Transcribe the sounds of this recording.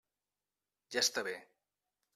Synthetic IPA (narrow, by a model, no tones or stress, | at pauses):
ʒast̪aβe